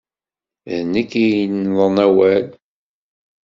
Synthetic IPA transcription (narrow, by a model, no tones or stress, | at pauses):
ðnikːijnðˤənæwæl